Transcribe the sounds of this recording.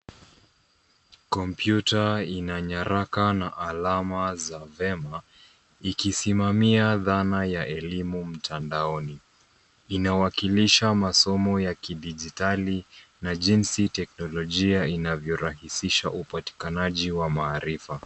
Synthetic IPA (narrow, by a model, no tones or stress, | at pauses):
kɔmpjutainaɲaɾakanaʔalamazavɛma | ikisimamiaðanajaʔɛlimum̩tʰandaɔni | inawakiliʃamasɔmɔjakiɗiʄitalinaʄinsitɛknɔlɔʄiainavjɔɾahisiʃaʔupati̥kanaʄiwamaːɾifa